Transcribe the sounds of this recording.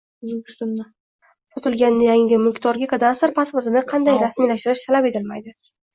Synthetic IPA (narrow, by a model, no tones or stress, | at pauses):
zʲsʊnːa | sɒt̪ʰɪlɡʲannɪjaŋɪɡʲɪmʊkʲʰt̪ɒɾɡʲakʰad̪ast̪ɾpʰaspʊɾt̪ɪnɪqʰɑnd̪ajɾasmijlaʃt̪ɪɾɪʃt̪ʰalape̞t̪ʰɪlmajd̪ɪ